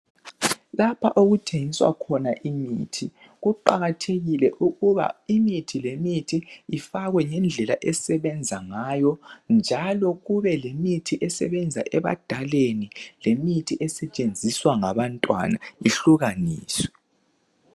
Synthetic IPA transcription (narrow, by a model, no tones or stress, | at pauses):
lapʰaʔoɣutʰeŋiswa̰kʰɔnaʔimiːtʰi | ɣuǃaɣatʰeɣilɛʔuɣuβa̰imitʰilemitʰiːfaɣwɛŋɛnd͡ɮʱɛlaʔɛsɛβɛnd͡zʱaŋajɔnd͡ʒʱalɔɣuβɛlemitʰiʔɛsɛ̰βɛnd͡zʱa̰ʔɛβa̰d̥ʱalenilemitʰiʔɛsɛt͡ʃʼend͡zʱiswaŋaβantʼwa̰naiɬuɣaniːswɛ